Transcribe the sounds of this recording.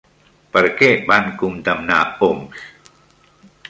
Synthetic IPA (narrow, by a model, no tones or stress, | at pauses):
pəɾkebankumd̪amnaoms